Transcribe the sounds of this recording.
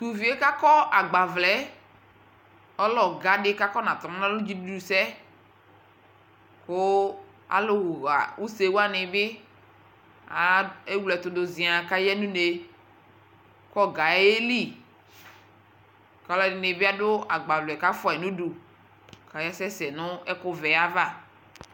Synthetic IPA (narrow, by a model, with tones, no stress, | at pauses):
t̪u˨vi˨˦e˦ka˦kɔ˦ʔa˨ɡ͡ba˨vlɛ˨˦ | ɔ˦lɔ˨ɡa˨˦dɪ˦ka˦kɔ˦nã˨t̪mã˦nã˦lʊ˦d͡ʒi˦du˦u˨sɛ˦ | kʊ˦ | a̰˨lʊ˨wʊ˨ɣa̰˨u˦se˨˦wa˦nɪ˨bɪ˦ | a˨˦e˦wlɛ˨t̪ʊ˨dʊ˨zi˨a˨ka˦jɛ˦nũ˦ne˨ | kɔ˦ɡa˨˦e˦li˦˨ | kɔ˨˦lɔ˦˨nɪ˨nɪ˨bɪ˦a˦dʊ˦a˨ɡ͡ba˨vlʊ˨ɛ˨ka˦fɔ˦ɛ˨nũ˦du˨ | ka˨jɛ˦sɛ˦sɛ˨nʊ˦ɛ˦kʊ˦vɛ˨a˦va˦˨